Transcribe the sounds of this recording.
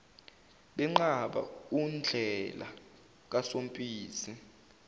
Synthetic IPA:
ɓɛŋ͡ǃaɓa̰und͡ɮʱɛla̰ | k̬asom̩pʼiːsi

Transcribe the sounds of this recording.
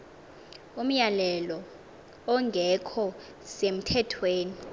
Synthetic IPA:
um̩jalɛlɔ | ɔŋɡʱɛkʰɔ | sem̩tʰɛtʰweːni

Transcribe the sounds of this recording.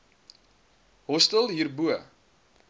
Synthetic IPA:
ɦɔstəlˠɦiːrbuə

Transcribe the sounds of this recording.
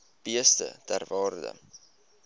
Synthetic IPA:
b̥iəstə̰tærvɑːrdə̰

